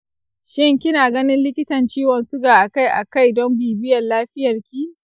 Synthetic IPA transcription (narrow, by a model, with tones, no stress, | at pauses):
ʃɪ˦ŋkʲɪ˦naː˨ɡɐ˦nɪ˦nlɪ˦kʲɪ˦tɐ˨nt͡ʃiː˦wɐ˨nsʊ˦ɡaː˨ʔa˨ka˦jʔa̰˨ka˦jdɔ˦mbiː˨bɪ˦jɐ˨nlaː˦ɸɪ˦jɐ˨rkʲiː˦